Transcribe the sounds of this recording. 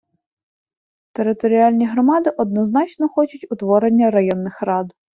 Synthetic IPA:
t̪eɾɪt̪ɔɾʲiɑlʲnʲiɦɾɔmɑd̪ɪʔɔd̪̚nɔznɑt͡ʃnɔxɔt͡ʃʊtʲʊt̪ʋɔɾenʲːɐɾɐjɔnːɪxrɑd̪

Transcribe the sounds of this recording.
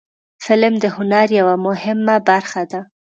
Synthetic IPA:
fɪlmd̪əhʊnaɾjawamʊhɪmːabaɾxad̪a

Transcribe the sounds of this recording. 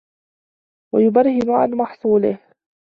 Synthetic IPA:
wajʊbɑɾˤhɪnʊʕa̰nmɑħsˤuːlɪ̰h

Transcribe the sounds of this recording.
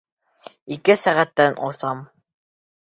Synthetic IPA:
ikɘsæʁæt̪ːænʔosɑm

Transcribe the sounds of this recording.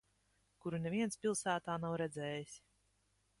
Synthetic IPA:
kuɾunɛvʲiɛnspʲilˠsæːt̪aːnawɾɛd̪zɛːjisʲ

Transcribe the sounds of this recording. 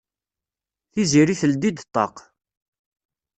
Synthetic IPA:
θiziɾiθəld̪id̪t̪ˤːɑ̰q

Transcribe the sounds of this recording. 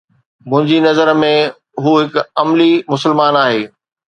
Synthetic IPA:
mʊ̃ɦɪ̃ɲd͡ʑinɐzəɾmẽ | ɦuɦɪkɐmlimʊsəɪlmaːnaːɦeː

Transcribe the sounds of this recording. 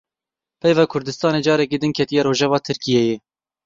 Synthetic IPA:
pʰɛjvɑːkʰʊɾd̪ɨst̪ɑːneːd͡ʒɑːɾɛkid̪ɨŋkʰɛt̪ijɛɾoːʒɛvɑːt̪ʰɨɾkijɛjɛ

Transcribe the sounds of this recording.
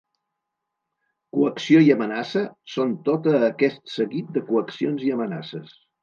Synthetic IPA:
kuəksioiəmənasəsont̪ot̪əːkɛst̪səɣit̪̚d̪əkuəksionziəməna̰səs

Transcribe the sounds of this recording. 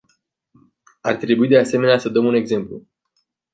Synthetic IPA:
art̪ɾe̞buid̪e̞ase̞me̞neasəd̪əmune̞ɡze̞mplṵ

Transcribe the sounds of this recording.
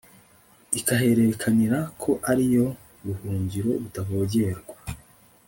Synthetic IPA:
ikaɦe̞ɾe̞kʰaniɾakʰo̞ʔaɾijo̞ | ɾuhuːɲɟiɾo̞βutaβo̞ːɟe̞ɾɡwa

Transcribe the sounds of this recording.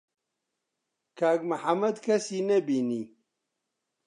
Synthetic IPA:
kaːɡmɐħamɐd̪kʰɐsiːnɐbiːni

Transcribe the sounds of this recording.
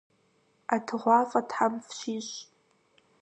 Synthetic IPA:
atʰʁʷafʼadʰħamfʃiʃ

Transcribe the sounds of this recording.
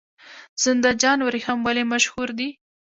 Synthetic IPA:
z̥ɪnd̪ad͡ʒɑnwɾihamwalemaʃhuɾd̪i

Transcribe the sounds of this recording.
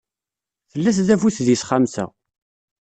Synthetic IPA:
θəlːæs̬ðæfusðjisχamsæ̰

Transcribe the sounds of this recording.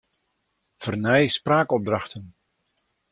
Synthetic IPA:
v̥ərnɛjspraːkɔp̚drɑxtən

